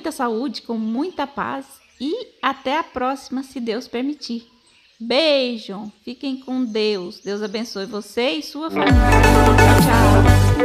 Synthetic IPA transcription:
j̃t̪ɐsaud͡ʒɪkõw̃mũj̃t̪ɐpa̰s | ɪat̪ɛapɾɔsimɐsɪd̪ewspeɾmit͡ʃiɾ | bejʒɐ̃w̃fikẽj̃kõd̪ewsd̪ewzabẽsojvoseɪsuɐfamilɐat͡ʃawt͡ʃa

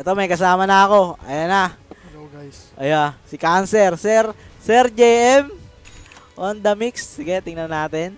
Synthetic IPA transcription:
ʔɛt̪omɐjkɐsaːmɐnɐɐko̞ʔɐ̰janɐ | ʔɐjasɪkansɛɾsɛɾsɛɾd͡ʒejʔɛm | ʔond̪ɐmikssɪɡɛt̪ɪŋnɐnaːt̪ɛn

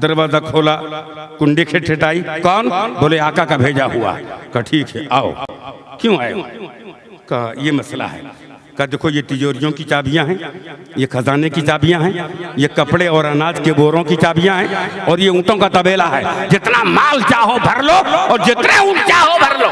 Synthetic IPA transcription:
d̪ɐɾbad̪əkʰoːlakʊ̃ɳɖikʰeʈʰeʈaːikɔːnboːleaːkakabʱeːd͡ʒaɦua̰ɛkaʈʰiːkɦɛ̰ʔa̰ːo̰kjõaːjõ̰ | kaːjemɐsla̰ɦɛ̰ː | kad̪eːkʰojeʈɪd͡ʒoːɾijõkit͡ʃaːbijãɦɛ̃jekʰɐzaːnekit͡ʃaːbijãɦɛ̃jekɐpɽeɔːɾənaːd͡ʒkeboːɾõkit͡ʃaːbijãɦɛ̃ɔːɾjeũːʈõkat̪ɐbeːlaɦɛːd͡ʒɪt̪namaːlt͡ʃaːɦobʱɐɾloɔːɾd͡ʒɪt̪neũːʈ̚t͡ʃaːɦobʱɐɾloː

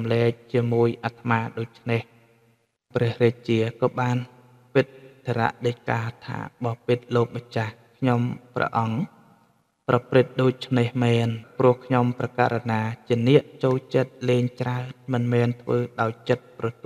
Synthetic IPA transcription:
mlɛːk̚t͡ɕiəmuəjʔat̪ʰəmaːɗoːc̚t͡ɕʰneh | prɛəhrɛːc̚t͡ɕiəkɑːɓaːn | pɨt̪̚t̪ʰːeɾa̰ʔɗəːc̚ka̰ːt̪ʰa̰ːɓɑpɨt̪̚loːk̚ɓət͡ɕahkʰɲomprɑ̰ʔɑŋ | prɑprɨt̪̚ɗoːc̚t͡ɕʰnehmɛːnprŭəhkʰɲomprɑka̰ːɾanaːt͡ɕiənɛəʔt͡ɕoːlt͡ɕət̪̚leːɲt͡ɕraənmɨnmɛːnt̪ʰʋəːɗaɔjt͡ɕət̪̚prɑt̪ː

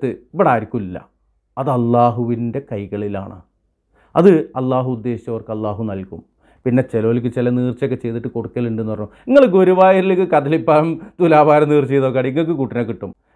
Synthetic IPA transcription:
t̪ːɨpɐɽaːɾikʲːumilːɐ̰ | ɐðɐlːaːɦuʋinde̞kɐjɣɐɭilaːɳɨ̰ | ɐ̰ðɨɐlːaːɦuːd̪ːe̞ːɕi̥t͡ɕːɐʋɐrkɨɐlːaːɦunɐlkʲum | pinːe̞t͡ɕeloːlik̬ʲːɨt͡ɕilɐniːrt͡ɕo̞k̬ːe̞t͡ɕe̞jt̪iʈːɨkoɽukːɐleɳɖenːuʋɐrɲːu | iŋːɐɭk̬ːɨo̞ɾuʋaːjɐɾilkːɨkɐðɐlipːaːɐmt̪ulaːbʱaːɾɐmniːrt͡ɕejt̪oːkːaːɽɖiiŋːɐɭk̬ːɨkuʈːinɐkːiʈːum

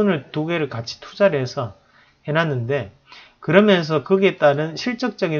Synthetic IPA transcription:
unɯɭtuɡe̞ɾɯɭkat͡ɕʰi̥tʰud͡ʑaɾɦe̞sʰʌ | henanːɯnde̞ | kɯɾʌmjʌns̬ʰʌkɯɡe̞t͈aɾɯnɕʰiɭt͡ɕ͈ʌk̚t͡ɕ͈ʌɡi

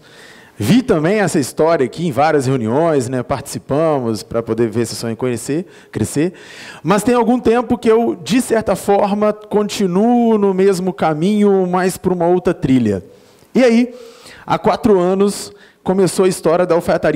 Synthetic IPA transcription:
vit̪ɐ̃mbẽj̃ɛsɐist̪ɔɾiɐkɪẽj̃vaɾiɐsheuniõj̃snɛpaɾt͡ʃɪ̥sipɐ̃mʊspɾɐpod̪eveɾsɪsõẽkõɲese | kɾeseɾ | mɐst̪ẽj̃awɡũt̪ẽmpʊkɪewd͡ʒɪsɛɾt̪ɐfɔɾmɐkõt͡ʃinunʊmezmʊkamĩɲʊmajspʊɾũmɐowt̪ɾɐt̪ɾiʎɐ̰ | ɪaia̰kwat̪ɾʊɐ̃nʊs | kõmesowɐist̪ɔɾiɐd̪ɐofaat̪aɾi

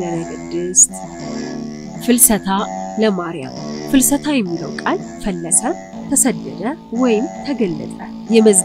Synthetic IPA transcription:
ənəɡɨd̪ːɨst̪ | fɨlsət̪ʰaləmaɾja̰mfɨlsət̪ʰajɛmːiləwkʼalfəlːəsə | t̪ʰəsəd̪ːəd̪əwɔjɪmt̪ʰəɡəlːə̰t̪ʼə | jɛməz

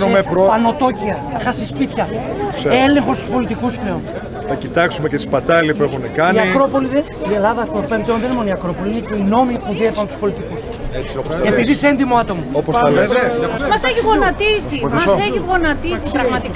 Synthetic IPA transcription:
meɾopɐno̞t̪o̞ciɐɐxɐsispit̪çɐ | ele̞ŋxo̞st̪u̥spo̞lit̪ikusple̞on | θɐcit̪ɐksumecet̪i̥spɐt̪ɐlipue̞xunekɐniɐkɾo̞po̞liðe | ie̞lɐðɐt̪opeɾit̪eðenemo̞noiɐkɾo̞po̞liineceino̞mipuðiepɐnt̪u̥spo̞lit̪ikus | psepiðisend̪imoat̪o̞moopoɐeeɐmɐseçiɣonɐt̪isimɐsoeçiɣonɐt̪isipɾɐɣmɐt̪ik

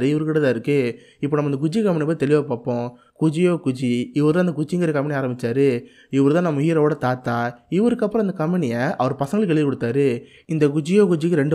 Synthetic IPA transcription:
ɾɯɪʋɐɾɯkːɪʈɐt̪ãːɪɾɯkːɯ | ɪpːoːnɐmːɐɪnd̪ɐk̬ʊd͡ʒikɐmːɪnɪɐp̬̪ːit̪ɛlɪʋaːpaːpːõː | kʊd͡ʒɪjoːkʊd͡ʒiɪʋɐɾɯt̪ãːnɐkʊd͡ʒɪŋɡɐɾɯkɐmːɪɳɪaːɾɐmbɪt͡ʃːaːɾɯ | ɪʋɐɾɯt̪ãːnɐmːʊjɪɾɐʋoːɽɐt̪aːt̪ːaːɪʋɐɾɯkːɐpːɾɔ̃ɐnd̪ɐkɐmːɪnɪjɐʔɐʋɐɾpɐsɐŋɡɐlkɛɭɪʋikɔɽɯt̪ːaːɾɯ | ɪnd̪ɐkʊd͡ʒɪjoːkʊd͡ʒɪkːɯɾɛɳɖɯ

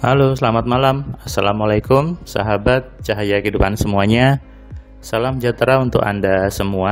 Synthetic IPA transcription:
halosəlamat̪̚malamasalamwalakʊmsa̰ɦabat̪̚t͡ʃaɦajakəidupansəmuaɲa | salamd͡ʒat̪ɾaunt̪ʊ̰ka̰ndasəmua

